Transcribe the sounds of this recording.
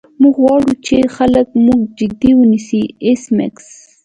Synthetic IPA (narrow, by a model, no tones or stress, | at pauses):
muɡwɑɽut͡ʃexaləkmuɡd͡ʒɪd̪iwənisiɪsmɪ̰ks